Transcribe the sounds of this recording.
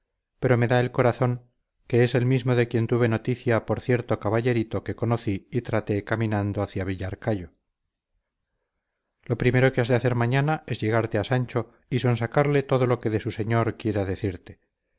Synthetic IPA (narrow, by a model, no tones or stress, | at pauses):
pe̞ɾo̞me̞ðae̞lko̞ɾaθo̞ŋ | ke̞ese̞lmizmo̞ðe̞kje̞nt̪uβe̞no̞t̪iθjapo̞ɾθje̞ɾt̪o̞kaβaʝe̞ɾit̪o̞ke̞ko̞noθiːt̪ɾat̪e̞kamĩnãnd̪oaθjaβ̞iʎaɾkaʎo̞ | lo̞pɾimeɾo̞keazðeaθe̞ɾmaɲanae̞zʝe̞ɣ̞aɾt̪easaɲt͡ʃo̞ | iso̞nsakaɾle̞t̪o̞ðo̞lo̞ke̞ðe̞suse̞ɲo̞ɾkje̞ɾaðe̞θiɾt̪e̞